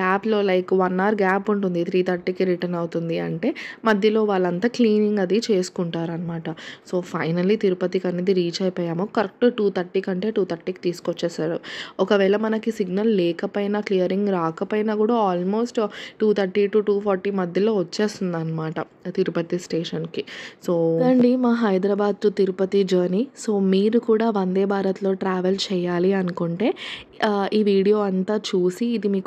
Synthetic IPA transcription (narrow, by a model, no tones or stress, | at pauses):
ɡaːplo̞ːlɐjkʋɐnːaːɾɡaːpuɳʈund̪it̪ʰɾiːt̪ʰɐɾʈːikiɾiʈɐnɐwt̪und̪iɐ̰ɳʈe̞ːmɐd̪ʱjɐlo̞ːʋaːɭːɐnt̪aːkliːniŋɡɐd̪it͡ʃe̞ːsu̥kuɳʈaːɾuɐnɐmaːʈɐso̞ːpʰɐjnɐlːit̪iɾupɐt̪ikɐnːid̪iɾiːd͡ʒɐjpoːjaːmoːkɐɾɐk̚ʈʈuːt̪ʰɐɾʈiːkɐɳʈe̞ːʈuːt̪ʰɐɾʈiːki̥t̪iːsu̥kɔt͡ʃːeːsaːɾṵɔkɐʋɛːɭɐmɐnɐkisiɡnɐlːɛːkɐpɐjnaːklijɐɾiŋɡɾaːkɐpɐjnakuːɽaːaːlmo̞ːsʈʈuːt̪ʰɐɾʈiʈuːʈuːpʰoːɾʈiːmɐd̪ʱjɐlo̞ːʋɐt͡ʃːe̞ːst̪und̪aːnːɐmaːʈɐ | t̪iɾupɐt̪isʈeːʂɐnkisoːɐɳɖimaːɦɐjd̪ɾɐbaːd̪̚t̪ut̪iɾupɐt̪id͡ʒoːniso̞ːmiːɾukuːɽaːʋɐnd̪e̞ːbʱaːɾɐt̪lo̞ːʈɾaːʋelt͡ʃɛːjaːliɐnukoɳʈe̞ː | iːʋiːɽijo̞ːɐnt̪aːt͡ʃuːsiːd̪imiːk